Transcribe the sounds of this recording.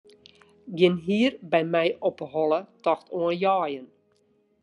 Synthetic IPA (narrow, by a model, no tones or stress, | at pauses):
ɡɪnɦiːərbɛjmɛjʔɔpəɦɔlətɔxtuənjɑːjən